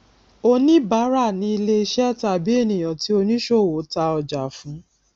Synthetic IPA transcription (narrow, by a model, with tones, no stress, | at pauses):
o˧nĩ˦ba˨˦ɾa˦˨nĩ˧i˧le˧i˧ʃɛ˦˨ta˧˨bi˨˦e˦˨nĩ˨j̃ɔ̃˨ti˨˦o˧nĩ˦ʃo˦˨wo˨˦ta˧ɔ˧d͡ʒa˨fũ˨˦